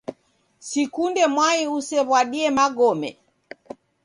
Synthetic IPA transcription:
sikundɛmwaiusɛβwaɗiɛmaɡɔmɛ̰

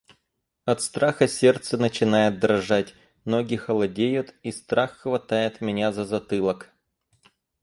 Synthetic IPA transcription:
ɐt̪st̪ɾaxəsʲe̞rt̪sənət͡ɕɪnajɪt̪̚d̪ɾɐʐatʲ | mnoɡʲɪxəlˠɐdʲejʊt̪ist̪ɾaxːvɐt̪ajɪt̪mʲɪnʲazəzɐt̪ɨlˠək

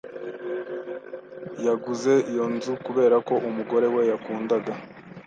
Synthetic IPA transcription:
jaɡuze̞ijo̞nzukuβe̞ːɾako̞ʔumuɡo̞ɾe̞we̞jakuːndaɡa

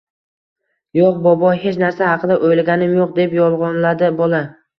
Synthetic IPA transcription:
joqbɒbɒhe̞t͡ʃnaɾsahɑqʰɨd̪aʔojlɡʲanɪmjoq̚d̪e̞pjɒlˠʁɒnlad̪ɪbola

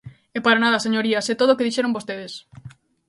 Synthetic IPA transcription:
epaɾanað̞ɐseɲoɾiɐsɛt̪oðokeðiʃeɾõmbost̪eðes

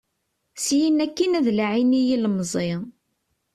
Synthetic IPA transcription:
sjinækːinæðlʕinijilməzˤɪ

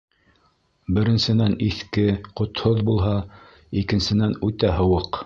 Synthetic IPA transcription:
bɘ̆ɾɘ̆nsɘ̆næniθkɘqŏt̪hoðbulˠɦɑ | ikɘ̆nsɘ̆nænʉt̪æɦɤ̆wɤq

